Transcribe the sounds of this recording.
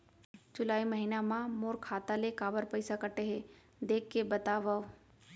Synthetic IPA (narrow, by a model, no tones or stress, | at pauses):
t͡ʃʊlaːimɐɦinamãmoːɾkʰaːt̪alekaːbəɾpəɪsakɐʈeɦe | d̪eːkːebɐt̪aːʋao